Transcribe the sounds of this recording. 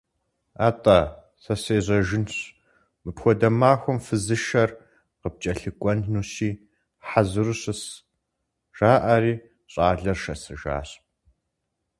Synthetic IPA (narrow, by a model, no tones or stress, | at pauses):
aːtʼaː | sɐseːʑɐʒɪnɕ | mɨpxʷɔdɐmaːxʷɔmfɨzɨʃɐr | qəp̚t͡ʃʼɐɬɨkʷʼɔnnuːsiː | ħazɨɾuɕɐs | ʒ̥aːʔɐɾiː | ɕʼaːɮɐrʃɐsɨʒa̰ːɕp̚ʼ